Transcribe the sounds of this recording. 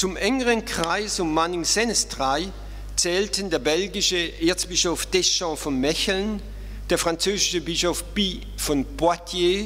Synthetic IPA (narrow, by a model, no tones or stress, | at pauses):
t͡sʊmʔɛŋəʁənkʁ̥aɪsʊmmanɪŋsɛnəsd̥ʁaɪ | t͡sɛːltəndeːɐbɛlɡɪʃəʔeːɐt͡sb̥ɪʃofd̥ɛʃɑ̃fɔnmɛçl̩n | d̥eːɐfʁ̥ant͡søːzɪʃəbɪʃofb̥iː | fɔnb̥atʰje